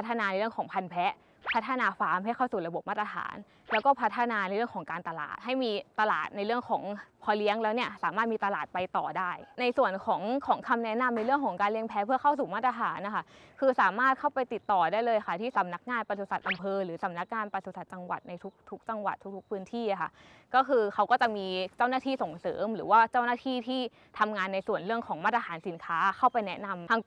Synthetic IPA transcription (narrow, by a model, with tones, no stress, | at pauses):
t̪ʰːa˧naː˧n˧jɾɯ˥˩əŋkʰɔː˩˦ŋpʰa˧npʰɛ˦˥ʔ | pʰa˦˥t̪ʰːa˧naː˧faː˦˥mɦa˥˩jkʰa˥˩wsuː˨˩ɾa˧bo˨˩p̚maː˥˩t̪ɾa˧t̪ʰa̰ː˩˦n | lɛː˦˥wkɔː˥˩pʰa˦˥t̪ʰːa˧naː˧na˧jɾɯ˥˩əŋʰɔː˩˦ŋkaː˧nt̪a˧la̰ː˨˩t̪̚ɦa˥˩jmiː˧t̪a˧la̰ː˨˩t̪̚na˧jɾɯ˥˩əŋkʰɔː˩˦ŋpʰɔː˧li˦˥əŋlɛː˦˥wni˥˩əsaː˩˦maː˥˩t̪̚miː˧t̪a˧laː˨˩t̪̚pa˧jt̪ɔ̰ː˨˩daː˥˩jna˧jsu˨˩ənkʰɔː˩˦ŋkʰɔː˩˦ŋkʰa˧mnɛ˦˥na˧mna˧jɾɯ˥˩əŋkʰɔː˩˦ŋkaː˧nli˦˥əŋpʰɛ˦˥pʰɯ˥˩ɐkʰa˥˩ws̬uː˨˩maː˥˩t̪̚ːɾa˧t̪ʰaː˩˦nːa˧xʰa˥˩kʰɯː˧saː˨˩˦maː˥˩t̪̚kʰa˥˩wpa˧jt̪i˨˩t̪ːɔː˨˩daː˥˩jlɤː˧ja˧kʰa˥˩t̪ʰiː˥˩sa˩˦mna˦˥k̚ŋaː˧npa˧su˨˧˩sa˨˩t̪ʔa˧mpʰɤː˧ɾɯː˩˦sa˩˦mna˦˥k̚ŋaː˧npa˧su˨˩sa˨˩t̪̚t͡ɕa˧ŋwa̰˨˩t̪̚na˧jt̪ʰu˦˥k̚t̪ʰu˦˥k̚t͡ɕa˧ŋwa̰˨˩t̪ʰːu˦˥k̚t̪ʰu˦˥pʰɯː˦˥nt̪ʰiː˥˩ʔa˧˩xʰa̰˥˩ | kɔː˥˩kʰɯː˧kʰa˦˥wkɔː˥˩t͡ɕa˨˩miː˧t͡ɕa˥˩wnaː˥˩t̪ʰiː˥˩so˨˩ŋsɤ̰ː˩˦mɾɯː˩˦waː˥˩t͡ɕa˥˩wnaː˥˩t̪ʰiː˥˩t̪ʰiː˥˩ | t̪ʰa˧mŋaː˧nːa˧jsu˨˩ənɾɯ˥˩əŋkʰɔː˩˦ŋmaː˥˩t̪̚ːa˧tʰaː˩˦nsi˨˩˦nkʰaː˦˥kʰa˥˩wpa˧jnɛ˦˥na˧mʰa˧